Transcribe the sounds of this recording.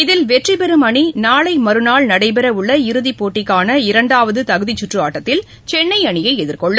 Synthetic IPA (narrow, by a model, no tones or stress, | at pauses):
ɪðɪlʋɛʈripɛɾɯmɐɳinaːɭɐɪmɐɾɯnaːɭnɐɽɐɪpɛɾɐʊɭːɐɪɾɯðipoːʈːɪkːaːnɐɪɾɐɳɖaːʋɐðɯt̪ɐɣɯðit͡ʃːʊʈrɯaːʈːɐt̪ːɪl | t͡ʃɛnːɐɪɐɳɪjɐɪɛðɪɾkɔɭːɯ